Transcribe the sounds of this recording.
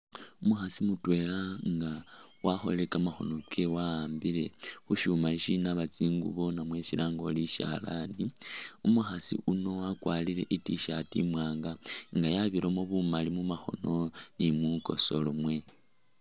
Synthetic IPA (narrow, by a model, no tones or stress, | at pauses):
umuxasimutwe̞laŋɡawaxo̞̰le̞kamaxo̞̰no̞kʰe̞waaːmbile̞xuʃumaiʃinaβat͡siŋɡṵβonamwe̞ʃiɾaŋɡo̞liʃa̰laniumuxasḭʔuno̞wakwalile̞̰ʔitiʃatḭmwaːŋɡaŋɡajaβiɾomoβumalimumaxo̞̰no̞nimuko̞̰solumwe̞